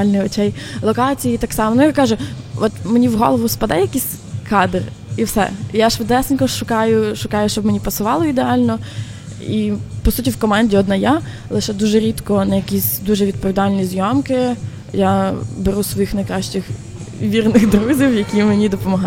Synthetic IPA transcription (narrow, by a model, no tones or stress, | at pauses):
lʲnɪɔt͡ʃɛjlˠɔkɑt͡sʲijiːt̪ɑksɑmnʊjakɑʒʊɔt̪menʲiwɦɔ̰lˠɔʋʊspɐd̪ɛjjɐkʲisʲ | kɑd̪r | iwsɛ̰jaʃʋd̪ɛsʲɪnʲkɔʃʊkɑjʊʃʊkɑjʊʃt͡ʃɔbmenʲipɐsʊʋɑlˠɔid̪eɑlʲnɔ | ipɔsutʲiwkɔmɑnʲdʲiɔd̪nɑja | lˠɪʃɛd̪uʒɛɾʲit̪kɔnɐjɐkʲisʲd̪uʒɛʋʲid̪̚pɔʋʲid̪ɑlʲnʲizʲjɔmkɪ | jabeɾusʋɔjixnɐjkɾɑʃt͡ʃɪx | ʋʲirnɪxd̪ɾuzʲiwjɐkʲimenʲid̪ɔpɔmɔɦɑ